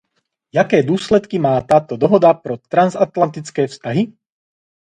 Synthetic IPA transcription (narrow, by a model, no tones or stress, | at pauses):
jakɛːd̪ʊɔːslɛt̪kimaːt̪aːt̪ɔd̪ɔɦɔd̪apɾɔt̪ɾanzat̪lant̪it͡skɛːfst̪aɦi